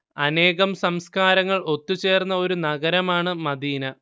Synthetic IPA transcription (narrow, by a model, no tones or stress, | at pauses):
ɐne̞ːɣɐmsɐmskaːɾɐŋːɐɭo̞t̪ːut͡ɕe̞ːrnːɐo̞ɾunɐɡɐɾɐmaːɳɨmɐd̪iːnɐ